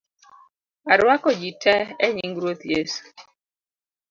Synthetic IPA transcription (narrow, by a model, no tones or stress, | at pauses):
aɾwakɔd͡ʒitʰɛɛɲiŋɡɾot̪jesu̥